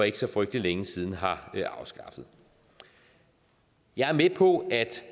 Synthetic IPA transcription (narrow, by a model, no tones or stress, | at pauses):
e̝ɡ̥əsɒ̽fʁœɡ̥̚d̥lileŋəsiːð̞ˠn̩ɦɑ̈ɑ̈ʊsɡ̥ɑ̈fð̞̩ˠ | jɑ̈ɪæɐmepʰɒ̽æd̥